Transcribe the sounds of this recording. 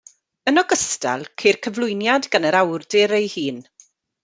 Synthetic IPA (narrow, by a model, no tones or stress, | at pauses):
ənɔɡəsta̰lˠkʰejrkʰəvlˠʊjnjadɡanəɾawrdɪɾejhiːn